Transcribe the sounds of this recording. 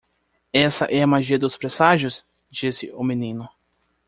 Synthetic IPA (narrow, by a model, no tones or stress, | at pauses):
ɛsɐ̰ʔɛɐmaʒiɐd̪ʊspɾesaʒʊs | d͡ʒisɪ̰ʊmenĩnʊ